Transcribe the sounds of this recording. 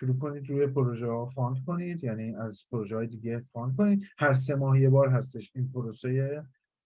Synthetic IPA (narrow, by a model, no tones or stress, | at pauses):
ʃuɾuːko̞niːd̪ɾuːje̞pʰoɾoʒehɒːfɒnd̪kʰo̞niːd̪jæːniːæzpʰoɾoʒɛɒːjed̪iːɡe̞fɒnd̪̚kʰo̞niːd̪hæɾs̬e̞mɒːhje̞bɒːɾɦæst̪e̞ʃiːnpʰoɾoseje